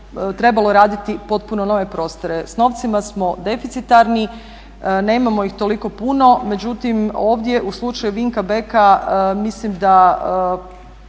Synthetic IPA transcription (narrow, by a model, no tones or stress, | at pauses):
t̪ɾe̞balˠo̞ɾaːd̪it̪ipo̞t̪̚puno̞no̞ʋe̞pɾo̞ːst̪o̞ɾe̞sno̞ʋt̪simasmo̞d̪e̞fit̪sit̪aɾni | ne̞ːmamo̞ixt̪o̞liko̞puno̞me̞d͡ʑut̪imo̞ːʋd̪je̞ʔuslˠut͡ʃajuʋiŋkabekamislimd̪a